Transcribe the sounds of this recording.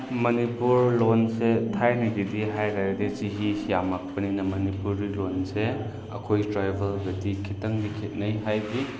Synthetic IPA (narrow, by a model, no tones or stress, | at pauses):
mɐnipuɾlonsetʰajnɐɡidiɦajɾajɾdit͡ʃiɦisijamak̚pɐninɐmɐnipuɾilonse | ɐ̰kʰojtɾajbʱɐlbetikʰitɐŋdikʰet̚nɐjɦajdi